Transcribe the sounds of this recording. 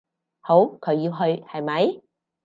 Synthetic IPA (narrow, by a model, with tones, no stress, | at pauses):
ho˨˧˩wkʰə˨˩ji˧wɦə˧˩jha˨˩˨ma˨˦j